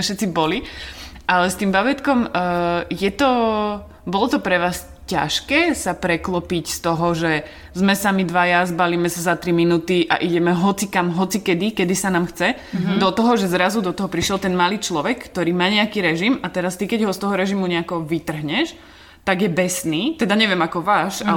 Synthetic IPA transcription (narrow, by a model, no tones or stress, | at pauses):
ʃɛt̪t͡sibɔliʔalɛst̪iːmbabɛt̪kɔm | jɛt̪ɔ | bɔlɔt̪ɔpɾɛʋaːs | ca̰ʃkɛːsapɾɛklɔpicst̪ɔɦɔʒɛ | zmɛsamid̪ʋajazbaliːmɛsazat̪ɾiminut̪iʔa̰ʔiɟɛmɛɦɔt͡sikamɦɔt͡sikɛd̪ikɛd̪isanaːmxt͡sɛ | d̪ɔt̪ɔɦɔʒɛzɾazud̪ɔt̪ɔɦɔpɾiʃjɛlt̪ɛnmaliːt͡ʃlɔʋɛkkt̪ɔɾiːmaːɲɛakiːɾɛʒimat̪ɛɾast̪ikɛɟɦɔst̪ɔɦɔɾɛʒimuɲɛakɔʋit̪r̩ɦɲɛʃ | t̪aɡjɛbɛsniːt̪ɛd̪aɲɛʋɪɛmakɔʋaːʃa